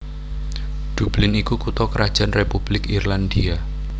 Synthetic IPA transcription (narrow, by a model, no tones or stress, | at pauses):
d̪̥ṳb̥lɪnikukut̪ɔkəɾad̥ʒ̥anrepub̥lɪkirland̪ia